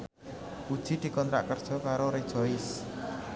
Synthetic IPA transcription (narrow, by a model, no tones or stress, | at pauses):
ud̥ʒ̥i̤d̪̥i̤kɔnt̪ɾa̰ʔkərd̥ʒ̥ɔ̤kaɾoɾe̥ʒ̥ɔ̤ɪs